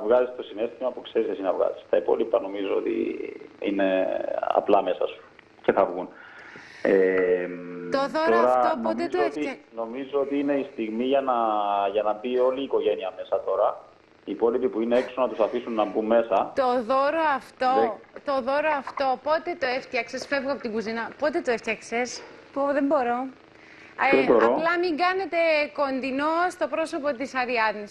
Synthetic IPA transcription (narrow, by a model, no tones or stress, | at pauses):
ɐvɣɐzist̪o̞sine̞st̪imɐpukse̞ɾizesinɐvɣɐ̰zi̥st̪ɐipo̞̰lipɐno̞mizoo̰t̪ḭḭne̞ɐ̰plɐme̞sɐ̰su̥ | ce̞θɐvɣun | emt̪oðotoɾɐopnomt̪ezt̪oet̪ino̞mizoot̪iine̞ist̪iɣmiʝɐnɐʝɐnɐbio̞liːko̞ʝe̞niɐme̞sɐt̪o̞ɾɐ | ipo̞lipipuine̞eksonɐt̪usɐfisunːɐbumːe̞sɐt̪oðoɾoɐft̪o̞t̪o̞ðoɾoɐft̪o̞po̞t̪e̞t̪o̞eft̪çɐksesfe̞vɣoɐpot̪iŋɡuzinɐpot̪e̞t̪oeft̪çɐkses | poðembo̞ɾo̞ | eboɾolɐmiŋɡɐne̞t̪e̞ko̞nd̪inost̪o̞pɾo̞so̞pot̪isɐɾiɐðnis